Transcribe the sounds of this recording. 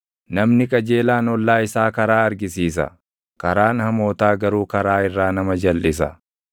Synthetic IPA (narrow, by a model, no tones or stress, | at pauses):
nɐmnɪkʼɐd͡ʒe̞ːlaːnɔlːaːɪsaːkɐɾaːɐɾɡɪsiːs̬ɐ̰ | kɐɾaːnhɐmo̞ːt̪aːɡɐɾuːkɐɾaːɪrːaːnɐmɐd͡ʒɐlːɪs̬ɐ̰